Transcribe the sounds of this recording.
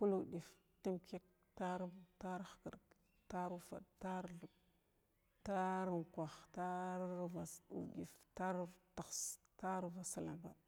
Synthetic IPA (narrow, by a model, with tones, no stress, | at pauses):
ku˦lu˨ɗi˨f | ti˦mke˦k̚ | ta˦ɾbta˦ɾxkə˨ɾk | ta˦ɾu˦fa̰˨dta˦ɾɬu˨b | ta˦ɾu˨ŋkʷa˨xta˦ɾɾva˨ṵ˨dḭ˨fta˦ɾta˨xs | ta˦ɾva˨sa˨la̰˨mba̰˦